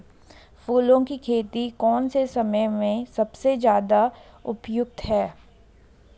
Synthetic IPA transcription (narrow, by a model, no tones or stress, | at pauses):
fuːlõkikʰeːt̪ikɔːnsesɐməjmẽsɐbsed͡ʒjaːd̪a | ʊpjʊk̚t̪ɦɛː